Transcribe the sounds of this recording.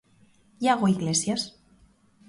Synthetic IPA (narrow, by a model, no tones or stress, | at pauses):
jaɣoiɣlesjas